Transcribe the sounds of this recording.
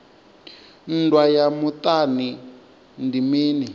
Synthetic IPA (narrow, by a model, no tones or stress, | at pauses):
n̩dwajamut̪ani | ndimiːni